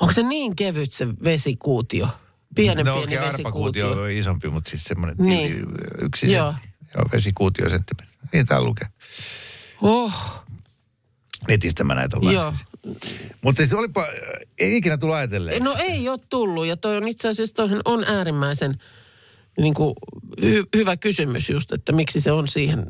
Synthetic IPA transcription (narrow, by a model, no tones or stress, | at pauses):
oŋkseniːŋkeʋyt̪seʋesikuːt̪io | piɛnemoikeːʋeɑrpsiɑkuːt̪iooiisompimut̪siːssemːonḛnːḭːy̰ksisjoːjo̰ːʋḛsikuːt̪io̰sent̪ːimenniːnt̪æ̰ːlṵke | oh | net̪ist̪æmːæ̰næ̰it̪o̰lːɑjosːs | mut̪ːesolipɑikinæt̪ulːuɑjɑt̪elːḛnoeioːt̪t̪ulːujɑt̪oionit̪seɑˑsiest̪oˑisenonʔæːrimːæisen | niːŋkuhyhyʋækysymy̰sjust̪ḛt̪ːæmiksiseonsiːhen